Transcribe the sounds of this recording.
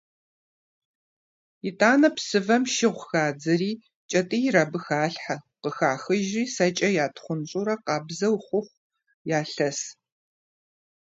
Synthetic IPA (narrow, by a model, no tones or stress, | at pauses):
ɪtʼaːnɐpsɨvɐmʃɪʁʷxaːd͡zɐɾiː | t͡ʃʼɐtʼijɾaːbɨxaːɬħaqəxaːxɨʒiːsɐt͡ʃʼɐjaːtʰχʷʊnɕʼuɾɐqɑːbzɐwχʷʊχʷ | jaːɬɐs